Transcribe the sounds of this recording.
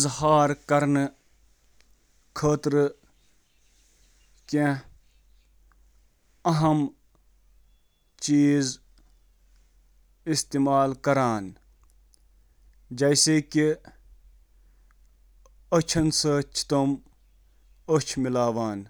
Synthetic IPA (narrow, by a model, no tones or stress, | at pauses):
zhaːɾkɐɾn | kʰəːt̪ɾ | kẽ | ɐɦɐm | t͡ʃiːz | ɪst̪eːmaːlkɐɾaːn | d͡ʒɐjseːki | ɐt͡ʃʰɐnsət͡ʃʰt̪ɐm | ət͡ʃʰmɪlaːʋaːn